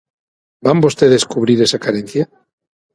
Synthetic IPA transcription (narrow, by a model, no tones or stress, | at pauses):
bambost̪eðeskuβ̞ɾiɾesakaɾen̟θja